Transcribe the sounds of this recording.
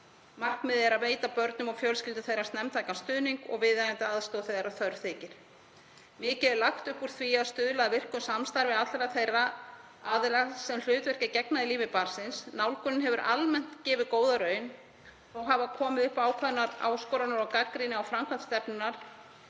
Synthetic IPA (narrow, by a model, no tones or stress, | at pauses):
mar̥k̪mɪðɛɾaðveːjt̪apœɾt̪nʏmawfjœlskcɪlt̪ʏ̥θejɾḁst̪nɛmt̪ʰaːjkanst̪ʏːðniŋkɔ̰ɣvɪðajɛnt̪ɪaðst̪oθejðaɾaθœɾθɪːcɪɾ̥ | mɪːcɛðɪlaxt̪ʏhpuɾ̥θʰviaðst̪ʏːðlaaðvɪr̥kʏsamst̪aɾvɪat̪lɛɾaθejrːa | aːðɪlasɛml̥ʏːt̪vɛr̥cɪcɛknaðɪliːvɪpaɾ̥sɪnsnawlkʏnɪnɦɛvʏɾʔa̰lmɛn̥t̪cɪːvɪðkoːwðaɾœːɥn | ɔɣɦavakʰɔːmɪðʏhpaːwkʰvaðʏnaɾa̰ːwskɔːwɾanaɾawkakɾinɪawfɾamkʰvant̪st̪ɛpnʏnːaɾ̥